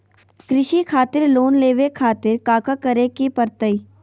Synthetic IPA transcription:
kɾɪʃikʰaːt̪ɪɾloːnleːʋekʰaːt̪ɪɾkaːkakɐɾekipɐɾt̪əiː

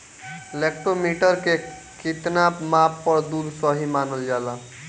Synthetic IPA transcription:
lek̚ʈɾomiʈʌɾke | kit̪napmapːʌɾd̪uɾsʌɦimanəld͡ʒala

